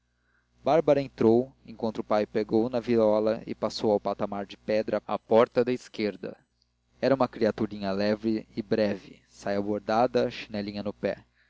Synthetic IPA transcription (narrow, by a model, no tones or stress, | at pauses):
baɾbɐɾɐẽnt̪ɾowẽŋkwɐ̃nt̪ʊpajpeɡownɐviɾɔlɐɪ̰pasowawpat̪amaɾd͡ʒɪpɛd̪ɾɐapɔɾt̪ɐd̪ɐɪskeɾd̪ɐ̰ | ɛɾɐũmɐkɾiat̪uɾĩɲɐlɛvɾɪɪbɾɛvɪ̰ | sajaboɾd̪ad̪ɐʃi̥nɛlĩɲɐnʊpɛ